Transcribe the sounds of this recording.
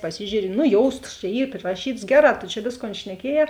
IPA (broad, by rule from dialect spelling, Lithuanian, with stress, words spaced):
pɐˈsʲɪʒʲuːrʲɪ nʊ ˈjoːʊstɐs t͡ʃʲɛ ˈiː pʲrʲɪrɐˈʃʲiːtɐs ˈɡʲæːˌrɑː toː t͡ʃʲɛ ˈʋʲeːsˌkoːn ʃʲnʲɛˈkʲiɛˌjɛː